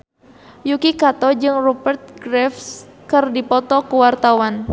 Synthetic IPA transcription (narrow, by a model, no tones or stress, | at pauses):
jukikat̪ɔd͡ʒɨŋrɔbərt̪̚ɡɾɛfskɨrdipɔt̪ɔkuwart̪awan